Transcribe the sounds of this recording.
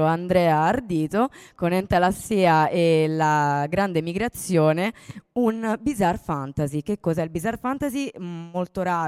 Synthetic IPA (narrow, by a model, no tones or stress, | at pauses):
oand̪ɾɛːaːrd̪iːt̪okonɛnt̪alasːiːaelaɡɾand̪emiɡɾat̪sːjoːneunbizarfant̪azikekːɔzɛilbizarfant̪azimolt̪oɾaː